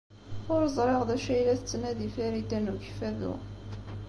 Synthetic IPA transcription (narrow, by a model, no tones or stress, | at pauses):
ʊɾzˤɾˤeʁðæʃæjlæθət͡sːnæðifæɾid̪ænuʝfæðṵ